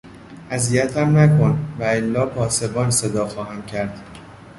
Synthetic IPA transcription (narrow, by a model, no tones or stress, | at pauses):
ʔæzijæt̪ʰæmnækʰonvæelːɒːpʰɒːse̞bɒːnse̞d̪ɒːxɒːhæmcʰæɾd̪̥